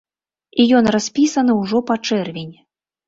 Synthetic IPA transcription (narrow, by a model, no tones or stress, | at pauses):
ijɔnrasʲpʲisɐnɨwʐɔpat͡ʂɛrvʲenʲ